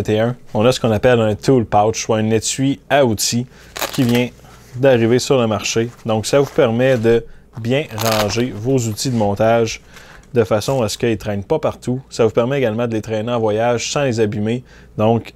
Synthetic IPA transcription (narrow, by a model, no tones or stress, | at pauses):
t̪eɜ̃ɔ̃nʌsə̥kɔ̃ːnapɛlɛ̃t̪ʰulpawt͡ʃuɛnetɥiaut̪i | kʲivjɛ̃ | d̪aʁivesyʁləmaʁʃed̪ɔ̃ksavupɛʁmɛd̪ə | bjɛ̃ʁɑ̃ːʒevozut̪id̪əmɔ̃ːt̪aʒ | d̪əfasɔ̃asə̥kəilt̪ʁɛnpʌpaʁt̪usavupɛʁmɛːɡalmɑ̃d̪əlet̪ʁɛneɑ̃vwajaʒsɑ̃lezabime | d̪ɔ̃k